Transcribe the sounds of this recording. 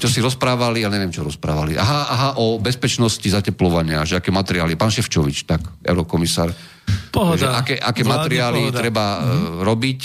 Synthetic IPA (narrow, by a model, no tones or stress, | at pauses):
t͡ʃɔsiɾɔspɾaːʋalialɲɛʋɛmt͡ʃɔɾɔspɾa̰ːʋa̰liʔa̰ɦaʔaɦaʔɔbɛspɛt͡ʃnɔscizacɛplɔʋaɲɪaʒɛakɛːmat̪ɛɾiaːlipaːnʃɛft͡ʃɔʋit͡ʃt̪akɛ̰ʊɾɔkɔmisaːɾ | ʒɛʔakɛːʔakɛːmat̪ɛɾiaːlit̪ɾɛbaɾɔbic